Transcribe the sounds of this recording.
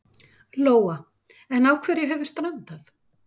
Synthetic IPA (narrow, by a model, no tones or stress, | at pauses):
loːwa | ɛnawkʰvɛːɾjɛɦɛvɪ̥st̪ɾɛnt̪aθ